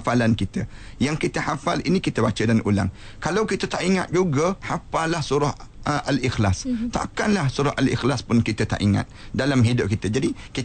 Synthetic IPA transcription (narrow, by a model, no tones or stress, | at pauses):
falankit̪ə | jaŋkit̪əhafalḭnikit̪əbat͡ʃədanʔula̰ŋ | kalawkit̪ət̪aʔiŋa̰t̪̚d͡ʒuɡəhapalahsuɾʊhʔalixlast̪a̰ʔkanlahsuɾʊhʔalḭxlaspʊnkit̪ət̪a̰ʔiŋa̰t̪̚dalamɦidʊp̚kit̪əd͡ʒadiki